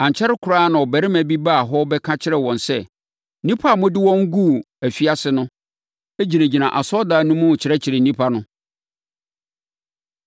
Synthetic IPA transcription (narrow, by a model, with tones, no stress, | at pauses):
ã˨ɲ˨t͡ɕʰɛ˦ɾɪ˦kʰʊ˨ɾaː˦nã˨ɔ˨bæ˨ɾɪ˦mæ̃˨bi˦baː˦˨ɦɔ˦bɛ˦kʰã˦t͡ɕʰɪ˦ɾɛ˨wɔ̃˨nsɛ˦ | nĩ˦pʰa˦˨mʊ̃˦dɪ˦wɔ̃˦ŋ̩˦ɡu˦ | æ˨fi˦a˦sɪ˨nʊ̃˦ | e˦d͡ʑi˨næ̃˨d͡ʑi˨nã˨ʔa˨sɔ˦daː˨nʊ̃˦mũ˦˨t͡ɕʰɪ˨ɾɛ˦t͡ɕʰɪ˨ɾɪ˨nĩ˦pʰa˦nʊ̃˦